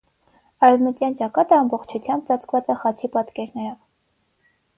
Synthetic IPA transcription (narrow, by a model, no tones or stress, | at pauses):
ɑɾɛvmət̪jɑnt͡ʃɑkɑt̪əɑmbɔχt͡ʃʰut͡sʰjɑmb̚t͡sɑt͡skʰvɑt͡səχɑt͡sʰipɑt̪kɛɾnɛɾɔv